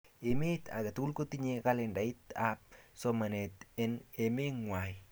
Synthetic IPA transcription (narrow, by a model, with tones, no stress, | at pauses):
e˨me˦t̪a̰˨ɡa˨t̪u˦lko˦tiɲeka˦le˨nda˨it̪ap̚soma˨net̪ɛne˨me˦ŋwa˨j